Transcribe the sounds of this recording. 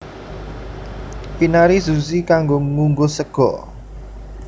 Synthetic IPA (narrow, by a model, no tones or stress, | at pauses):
pinaɾisusikaŋɡoŋuŋɡosəɡ̥ɔ